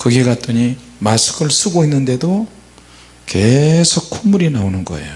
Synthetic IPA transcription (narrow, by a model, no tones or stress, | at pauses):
kɯɡiɡat͈ɯɲi | masʰɯ̥ɡɯɭs͈ʰuɡoinːɯnde̞do | ke̞sʰok̚kʰomuɾinaonɯnɡʌe̞̰jo